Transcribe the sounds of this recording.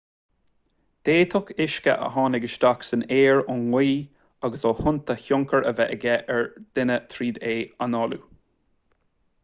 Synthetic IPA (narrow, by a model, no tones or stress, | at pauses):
d̪̥eːt̪ʰɔkʰɪʃkə̰ʔə̰ɦɑːnɪɡəʃt̪aksəneːɹʊnwiː | aɡəsɔhʊnt̪ʰəçʊŋkəɹəvɛʔəɡɛʔɛɹd̪̥ɪnət̪ʰɾiːd̪eːanɔːlṵ